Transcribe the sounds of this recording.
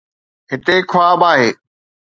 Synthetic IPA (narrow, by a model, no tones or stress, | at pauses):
ɦɪt̪ekʰʊaːbaːɦeː